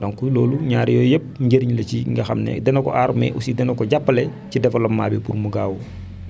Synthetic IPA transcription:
dɔŋkuloːluɲaːɾjɔjep̚ɲɟəɾiɲlɐciŋɡɐxɐmnɛ̰dɛnɔkɔ̰ʔaɾmɛ̰ʔusidɛnɔkɔɟapːəlɛcidɛfɐlɔmːa̰ːbɛpuɾmuɡaːwu

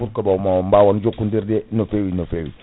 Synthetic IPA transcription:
uɾkabamambawond͡ʒokːundiɾdenofewinofewḭ

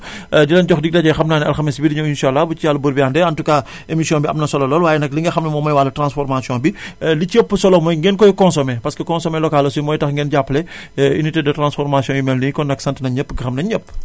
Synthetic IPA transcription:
dilɐnɟɔxdiɡ̚dɐɟɐjxɐmnaːnɐ̰lxamisbidiɲɐwinʃalːabut͡ʃijalːɐbuɾbiaːndɛɐntuka | emisijɔ̃biɐ̰mnɐsɔlɐlɔːlwaːjɛnɐkliŋɡɐxɐmnɐmɔmɐjwaːlɐtɾãnsfɔɾmasjɔ̃bilicəpːsɔlɔmɔjŋɡɛnkɔjkɔ̃nsɔmɛpɐskəkɔ̃nsɔmɛlɔkalːɐsumɔːjtɐxŋɡɛnɟapːlɛḭnitedətrɾãnsfɔɾmasjɔ̃jumɛlnikɔnɐksɐntənɐɲəpːɡɐxɐmnɐɲəpː

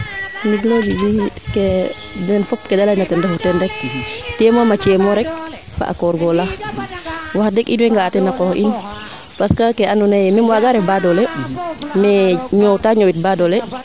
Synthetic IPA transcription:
niɡlabibikɛ | dɛnfɔpkɛdalanatɛndɛfɔtɛndɛk̚tɛmomat͡ʃɛmɔɾɛk̚ | fa̰ʔa̰kɔɾɡɔla | waxdɛkʔinwɛŋɡaːtɛnakɔʔin | paskakɛanunajɛmɛmwaɡaɾɛbadɔlɛ | mɛɲɔwtaːɲɔwit̚badɔlɛ

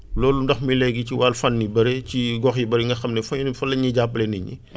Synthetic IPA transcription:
lɔːlundɐxmilɛɡiciwalfɐnːibɐɾeciɡɔxjibɐɾiŋɡɐxɐmnɛfɐɲnfɐlːɐɲiɟapːlɛniɲḭ

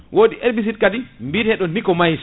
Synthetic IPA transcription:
wʔoːɗiʔeɾbis̬it̚kadimbiɾhɛɗɔnːikɔmajs

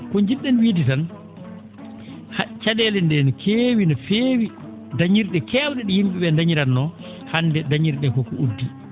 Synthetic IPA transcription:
kɔɲd͡ʒiɗɛnwiditan | hat͡ʃaɗɛlɛndɛnɔkʰewinɔfeːwi | daɲiɾɗɛkɛwɗɛɗijimɓiɓɛndaɲiɾanːɔ | handɛdaɲiɾɗɛkɔkɔʔudːi

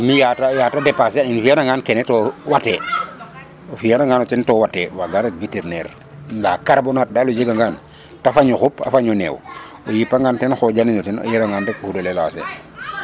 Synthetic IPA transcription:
mijatajatadɛpas̬ɛaninfijanaŋɡaːnkɛnetɔwatɛ | ofijanaŋɡanot͡ʃɛntɔːwatɛwaɡaɾatviteɾnɛɾ | nlakaɾbonat̚dalod͡ʒeɡaŋɡan | tafaɲoxupa̰faɲɔnɛ̰w | ojipːaŋɡaːntɛnxɔd͡ʒaniɲɔtɛno̰jelaŋɡandakuhudolelasḛ

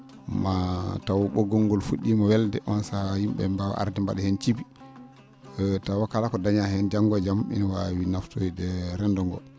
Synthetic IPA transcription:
matawɔɓɔɡɔŋːɡɔlfuɗːimawɛldɛʔɔnsahhimɓɛ̰mba̰ʔa̰ɾdimba̰ɗɛhɛnt͡ʃibi | tawakalakɔdaɲahɛnd͡ʒaŋɡɔd͡ʒamḭnwawinaftodɛɾɛndɔŋɡɔ̰l

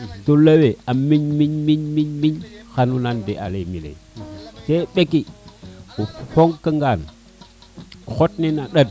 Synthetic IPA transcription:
tolaweamiɲmiɲmiɲmiɲmiɲxanunandeʔa̰lemilḛteɓeki | ufoŋkəŋɡan | xotninaɗad̚

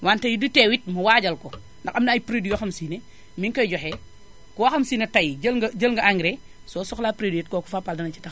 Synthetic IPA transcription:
wantɐjidutɛwit̚mɐwaːɟɐlkɔ | ndɐxɐmnɐːjpɾedujɐxɐmsiːne | miŋkɐɟɔxɛ | kuwaxɐmsiːnɐtɐjɟɐlɡɐɟəlŋɡɐʔaŋɡɾe | sɔsɔxlaːpɾedujɛt̚kɔku̥fapːaldɐnɐt͡ʃi̥tɐx

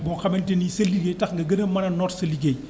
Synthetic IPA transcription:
bɔːxɐmɛntenisɐliɡejtɐxŋɡɐɡɐnɐmɐnɐnɔtsɐliɡej

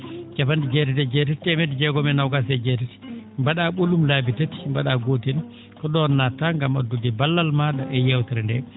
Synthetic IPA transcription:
d͡ʒafandid͡ʒɛɾitɛd͡ʒɛt̬ɛttɛmɛdid͡ʒɛɡɔmɛnawɡasɛd͡ʒɛtiti̥mbaɗaɓulumlabitati̥mbaɗaɡotɛn | kɔɗɔnːataŋɡamadudɛbalːalmadaʔɛjɛwtɛɾndɛ

